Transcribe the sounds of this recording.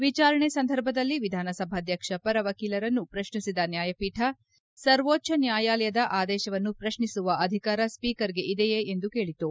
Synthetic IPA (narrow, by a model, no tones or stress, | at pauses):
ʋit͡ʃaːɾɐɳesɐnd̪ʱɐɾbʱɐd̪ɐlːiʋid̪ʱaːnɐsɐbʱad̪ʱjɐkʂɐpɐɾɐʋɐkiːlɐɾɐnːupɾɐʃɳisid̪ɐnjaːjɐpiːʈʰɐ | sɐɾʋoːtːʃɐnjaːjaːlɐjɐd̪ɐʔaːd̪ɛːʃɐʋɐnːupɾɐʃɳisuʋɐɐd̪ʱikaːɾɐspiːkɐɾɡeʔid̪ɛjeend̪uke̞ːɭit̪u